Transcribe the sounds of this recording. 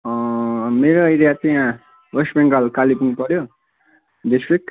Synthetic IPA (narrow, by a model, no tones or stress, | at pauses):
ʌmeɾoʌjɾijat͡saj̃ã | wʌsbeŋɡalkalipuŋpʌɾjo | ɖisʈrik̚